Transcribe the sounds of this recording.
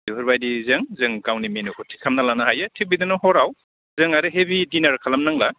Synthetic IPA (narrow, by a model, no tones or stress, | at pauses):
iɦuɾbajdizɯŋzɯŋkawniminukʰutʰi̥kʰːamnalanaɦajatʰik̚bidɯnɔhɔɾaw | zɯŋaɾɯɦebidinaɾkʰalamnaŋla